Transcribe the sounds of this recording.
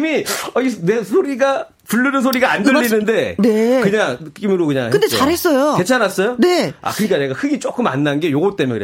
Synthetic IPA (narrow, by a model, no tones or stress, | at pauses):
miʌisne̞sʰoɾiɡa | puɭːɯnɯnsʰoɾiɡaandɯɭːinɯnde̞nekɯɲaŋ͈imɯɾokɯɲa̰ŋkɯnd̪et͡ɕeaɾhes͈ʌjoke̞nt͡ɕʰanas͈ʌjonea̰kɯnik͈ane̞ɡahɯɡit͡ɕ͈ok͈ɯma̰nːanɡejoɡot͈emjekɯe